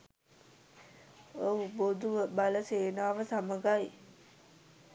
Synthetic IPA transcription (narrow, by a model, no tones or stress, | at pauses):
obod̪uʋəbaləseːnaːʋəsaməɡaj